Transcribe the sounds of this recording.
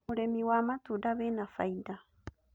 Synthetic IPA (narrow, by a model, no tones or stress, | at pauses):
oɾemiwamat̪udaβenafajd̪a